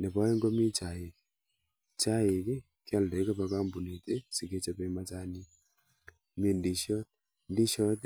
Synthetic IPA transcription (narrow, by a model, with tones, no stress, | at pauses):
ne˨pa˦e˦ŋɡo˦mi˦t͡ʃa˨e˨k | t͡ʃa˦e˨ki˦ | kja˦˨lde˨˦ka˦pa˨ka˦mbu˨ni˨te˦si˨ke˦t͡ʃa˦pe˦ma˦ta˦ni˦ | me˦ndi˨ʃjɔ˦t | ndi˦ʃɔ˦t